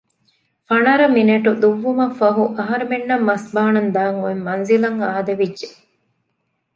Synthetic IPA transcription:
fɐnɐɾɐmineʈud̪uʋːumɐfɐɦuʔɐɦɐɾemenːɐmːɐsbaːnɐnd̪aːŋuemːɐnzilɐŋaːd̪ɐʋidːʒe

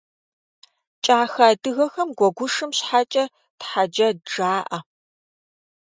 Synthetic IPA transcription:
t͡ʃʼaːxaːdɨɣɐxɐmɡʷɔɡʷʊʂɨmɕħat͡ʃʼɐ | tħad͡ʒɐd͡ʒaːʔɐ

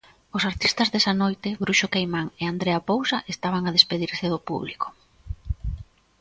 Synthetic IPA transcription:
ʊsaɾt̪ist̪ɐzðesanojt̪ɪβɾuʃokejmaŋeand̪ɾeapowsaʔest̪aβaŋaðespeðiɾseðʊpṵβliko̥

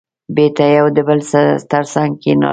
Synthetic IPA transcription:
bet̪ajawd̪əbəlst̪əɾsaŋɡ̚kenɑ̰

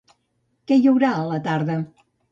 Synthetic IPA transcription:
kɛjəwɾaələt̪aɾðə

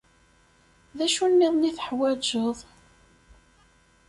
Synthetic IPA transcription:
ðæʃunːiðˤniθəħwæd͡ʒəðˤ

